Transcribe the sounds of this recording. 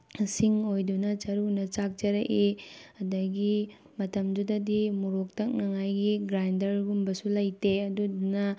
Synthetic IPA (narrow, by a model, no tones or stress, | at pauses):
siŋojdunɐt͡ʃɐɾunɐt͡ʃak̚t͡ʃɐɾɐʔeɐdɐɡi | mɐtɐmdudɐdimuɾok̚tɐk̚nɐŋajɡiɡɾajndɐɾɡumbɐsulɐjteɐdudunɐ